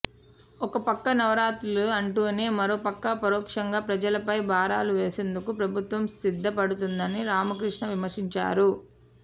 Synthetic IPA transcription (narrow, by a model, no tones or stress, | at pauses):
ɔkɐpɐkːɐnɐʋɐɾaːt̪uluɐɳʈuːɐne̞ːmɐɾoːpɐkːɐpɐɾɔːkʂɐŋɡaːpɾɐd͡ʒɐlɐpɐjbʱaːɾaːluʋeːse̞ːnd̪ukupɾɐbʱut̪ʋɐmsid̪ʱːɐpɐɽut̪und̪ɐniɾaːmɐkɾiʂɳɐʋimɐɾʂiɲt͡ʃa̰ːɾu